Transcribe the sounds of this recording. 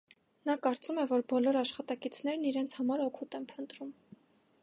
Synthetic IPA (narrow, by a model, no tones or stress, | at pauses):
nɑkɑɾt͡sumɛvɔɾbɔlɔɾɑʃχɑt̪ɑkit͡sʰn̪ɛɾniɾɛnt͡sʰhɑmɑɾɔkʰut̪ɛmpʰənt̪ɾum